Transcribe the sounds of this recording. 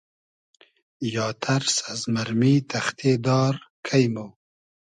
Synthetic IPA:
jɑːt̪ʰaɾsazmaɾmit̪ʰaxt̪ʰed̪ɑːɾkʰajmo

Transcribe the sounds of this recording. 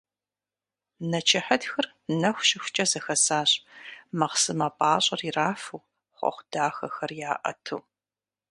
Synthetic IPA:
nɐt͡ʃʰɪħɐdxɐr | nɐxʷʃɪxʷʊt͡ʃʼɐzɐxɐsaːɕʼmɐqsɨmapʼaːɕʼɐriraːfuw | χʷɔ̰χʷd̥aːxɐxɐrjaːʔɐ̰tʰuː

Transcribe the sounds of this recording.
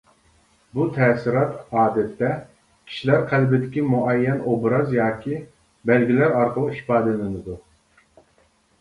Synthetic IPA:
but̪ʰɛːsɪɾɑt̪ɑːd̪ɛt̪ːɛ | kʲʰi̥ʃilæɾqʰælbɪd̪ɪkʲimuʔɛjːɛnobɾɑzjɑːkʲʰi | bɛlɡʲilæɾɑɾqʰəlˠuhi̥pɑːd̪ɪlɪnɪd̪u

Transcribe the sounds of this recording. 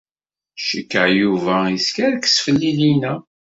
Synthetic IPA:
ʃəkːəʕjuvæiskæɾkːə̥sfəlːilinæ

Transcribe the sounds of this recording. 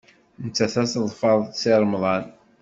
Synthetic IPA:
nət͡sːæθæsəðˤfɑðˤsɪɾˤmðˤɑn

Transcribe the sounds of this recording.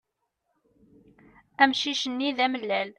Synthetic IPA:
æmʃiʃənːiðæməlːæl

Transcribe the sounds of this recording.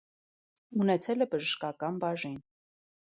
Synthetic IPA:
unɛt͡sʰɛlɛbəʒəʃkɑkɑnbɑʒin

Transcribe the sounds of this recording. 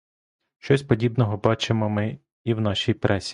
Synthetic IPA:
ʃt͡ʃɔsʲpɔdʲibnɔɦɔbɑt͡ʃemɔmɪ | iwnɑʃʲijpɾʔɛsʲi̥

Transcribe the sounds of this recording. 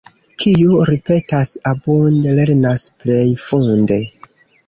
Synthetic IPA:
kʰijuɾipe̞tasabundle̞ɾnasple̞jfunde̞

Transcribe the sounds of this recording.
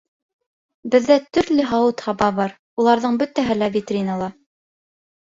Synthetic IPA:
bɘ̆ðːæt̪ɵ̆ɾlɘɦɑwɤt̪hɑbɑβɑɾ | ulˠɑɾðɤɴbɵ̆t̪æɦɘlævʲit̪rʲinəlˠɑ

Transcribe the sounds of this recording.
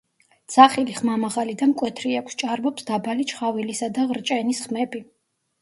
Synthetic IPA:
d̪z̥aχiliχmamaʁalid̪amkʼwɛt̪ʰɾiakʷʰst͡ʃʼaɾbɔpsd̪abalit͡ʃχavilisad̪aʁɾt͡ʃʼɛnisχmɛbi

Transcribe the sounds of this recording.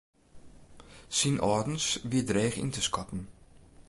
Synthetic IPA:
sinʔɔːdn̩sʋiədreːxḭntəskɔtn̩

